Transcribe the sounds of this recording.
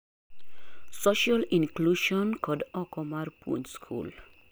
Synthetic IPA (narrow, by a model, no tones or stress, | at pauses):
sɔʃalĩnkluʃɔ̃nkʰɔdɔkɔmaɹpʰṵ̃nskʰṵl